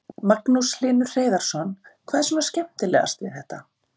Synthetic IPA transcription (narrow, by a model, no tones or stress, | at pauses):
maknusl̥ɪːnʏr̥r̥eːjðaɾ̥sɔnkʰvaːðsɔmascɛm̥t̪ɪlɛ̰ːɣa̰st̪vɪɾ̥hɛht̪a